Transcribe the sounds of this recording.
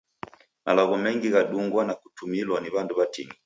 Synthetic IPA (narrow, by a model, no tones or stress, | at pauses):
malaɣɔmɛŋɡiɣaɗuŋɡwanaku̥tumilwaniβanduβatini